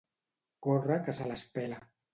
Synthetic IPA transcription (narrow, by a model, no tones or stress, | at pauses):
korakasalaspɛla